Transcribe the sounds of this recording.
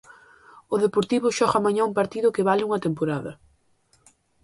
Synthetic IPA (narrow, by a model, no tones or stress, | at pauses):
ʊðepoɾt̪iβʊʃɔɣamaɲaumpaɾt̪iðʊkɪβalɪuŋɐt̪empoɾaðɐ̰